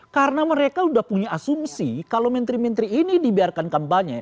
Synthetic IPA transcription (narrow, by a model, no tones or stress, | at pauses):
kaɾənaməɾekaudahpuɲaasumsikalowmɛnt̪ɾimɛnt̪ɾiːnidibiarkankampaɲa